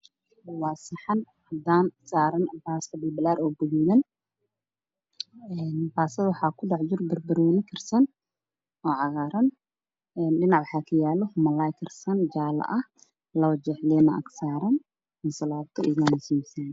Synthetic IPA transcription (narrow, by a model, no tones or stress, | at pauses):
bɐwaːsɪħɑn | hɐd̪aːnsaːɾɐnbaːskɐbɪlbɪlaːɾɔːbʊɣuːlɐn | ɛːnbaːsɐðwʊħɑːkʰʊɖɑʕd͡ʒʊrbɐrbɐɾɔwnɪkʰɪrsɐn | ɔːʕɑɣaːɾɐn | ɛːnɖɪnɑʕwʊħaːkʰɐjaːlɔhmɐlaːjkʰɪrsɐnd͡ʒaːlɐ̰ʔɐh | lɐwɐd͡ʒɛħlɛnɐʔɐ̰ksaːɾɐn | mɐsɐlaːbt̪ʰɔɪaːnʊsiːmsɐn